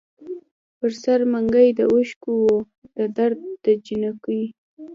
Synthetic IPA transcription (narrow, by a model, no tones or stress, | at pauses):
pəɾsaɾmaŋɡajd̪əʔuʃkuwo | d̪əd̪aɾd̪̚d̪əd͡ʒinakəj